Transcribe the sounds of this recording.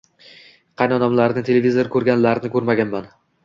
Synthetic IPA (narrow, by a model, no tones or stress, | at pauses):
qʰɑjnɒnɒmlaɾnɪt̪ʰe̞levʲizoɾɪkʰɵɾɡʲanlaɾɪnɪkʰɵɾmaɡʲanman